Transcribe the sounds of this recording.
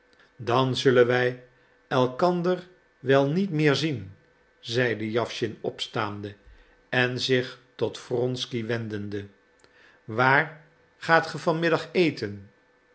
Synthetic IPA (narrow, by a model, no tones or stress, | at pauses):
dɑnzɵlənʋɛj | ɛlˠkɑndər | ʋɛlˠnitmɪːɹzin | zɛjdəjɑfʃɪnɔpstaːndə | ɛnzɪχtɔtfrɔnskiʋɛndəndə | ʋaːr | χaːtχəvɑnmɪdɑχejtən